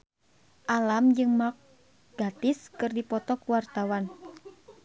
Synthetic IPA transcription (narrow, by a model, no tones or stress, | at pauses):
ʔalamd͡ʒɨŋmak̚ | ɡ̥at̪iskɨrdipɔt̪ɔkuwart̪awan